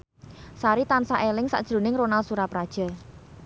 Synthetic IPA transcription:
saɾit̪ansaʔelɪŋsa̰ʔd̥ʒ̥ɾo̤nɪŋɾonalsuɾapɾad̥ʒ̥a̤

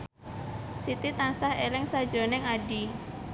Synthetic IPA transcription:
sit̪it̪ansahelɪŋsad̥d͡ʒonɪŋaɖi

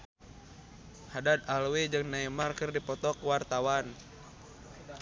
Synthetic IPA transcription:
hadat̪̚alwed͡ʒɨŋnaimarkɨrdipɔt̪ɔkwart̪awan

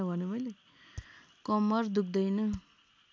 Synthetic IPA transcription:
ʌbʱʌnemʌjle | kʌmʌrd̪uk̚ʰd̪ʌjnʌ

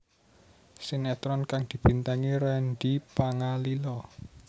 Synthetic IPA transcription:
sinɛt̪ɾɔnkaŋd̪̥i̤b̥i̤nt̪aŋiɾanɖipaŋalilɔ

